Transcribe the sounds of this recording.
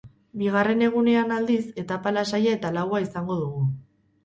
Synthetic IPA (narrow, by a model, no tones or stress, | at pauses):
biɣ̞are̞ne̞ɣ̞une̞anald̪ise̞t̪apalasajae̞t̪alawaisaŋɡo̞ðuɣ̞u